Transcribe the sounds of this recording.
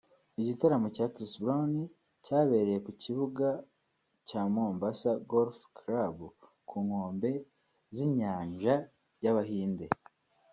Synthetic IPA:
iɟitaɾamocaːkɾisbɾani | caːβe̞ːɾeje̞kuciβuɡa | caːmoːmbasaɡolfkɾab | kʰuːŋ̥ho̞ːmbe̞ | ziɲaːɲʒa | jaβaɦiːnde̞

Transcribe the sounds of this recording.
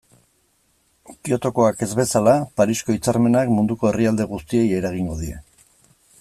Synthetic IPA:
pio̞t̪o̞ko̞ake̞zβe̞salapaɾisko̞it͡saɾme̞nakmund̪uko̞e̞riald̪e̞ɣ̞ust̪ie̞je̞ɾaɣ̞iŋɡo̞ðiɾe̞̰

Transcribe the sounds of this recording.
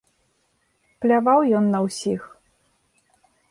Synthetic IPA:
plʲavawjɔnːɐwsʲix

